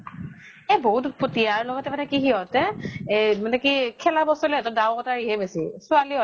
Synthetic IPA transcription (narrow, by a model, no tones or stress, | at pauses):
ɛboɦutpotijaɹlɔɡɔtɛmanɛkiɦiɔtɛ | manɛkikʰɛlabɔsɔlɛɛtɔdawɔtaɹiɦɛbesisʊaliɔ